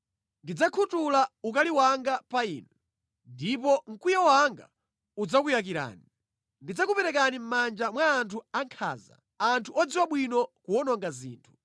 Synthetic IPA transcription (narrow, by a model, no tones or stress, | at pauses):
ndid͡zakʰutulaukaliwaŋɡapaḭːnɛ | ndipɔŋ̩kujawaŋɡa̰ | ud͡zakujak̬iɾa̰ːni | ndid͡zakupɛɾɛk̬anim̩mand͡ʒamwaːntʰuaŋkʰa̰ːza̰ | antʰuɔd͡ziwaɓwinɔkuɔnɔŋɡazḭːntʰu̥